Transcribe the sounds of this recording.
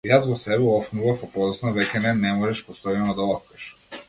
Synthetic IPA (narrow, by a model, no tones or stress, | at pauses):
jasvɔsɛbɛɔfnuvafapɔd̪ɔsnɔvɛcɛnɛnɛmɔʒɛʃpɔst̪ɔjɛnɔd̪aɔfkɛʃ